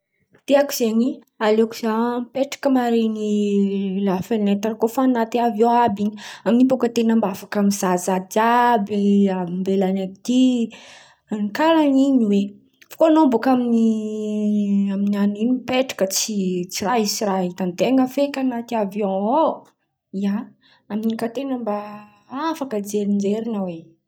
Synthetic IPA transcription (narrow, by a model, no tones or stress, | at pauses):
t̪eaku̥z̥eɲi | aleku̥zapeʈ͡ʂḁkəmaɾeni | lafenet̪aɾkofaːnat̪iavõabiɲiaminipokət̪enəmbafakamizazad͡ʒabiabimbelanait̪i | nikaɾaɲiɲiwe | fḁkoanombokamini | aminianinupeʈ͡ʂḁkət͡sit͡siraɦisiɾaɦit̪and̪eŋɡəfekʲanat̪iavjɔ̃o | ia | aminikat̪enəmba | afakəd͡ʒeɾind͡ʒeɾinaweɲ